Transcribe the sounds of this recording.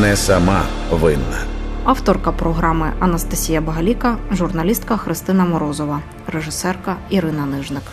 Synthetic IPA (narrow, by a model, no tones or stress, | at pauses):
nɛsɐmɑ | ʋɪnːɐɑwt̪ɔrkɐpɾɔɦɾɑmɪɐnɐst̪ɐsʲijɐbɐɦɐlʲikɐʒurnɐlʲist̪̚kɐxɾɪst̪ɪnɐmɔɾɔzɔʋɐ | reʒɪsɛrkɐiɾɪnɐnɪʒnɪk